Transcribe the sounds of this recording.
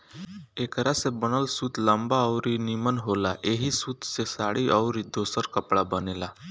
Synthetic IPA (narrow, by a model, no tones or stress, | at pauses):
ekɾasebəñəlsuːt̪ləmbaəwɾinimənɦolaʔeɦiːsuːt̪sesaɽiːʔəwɾiːd̪osəɾkəpɭabənela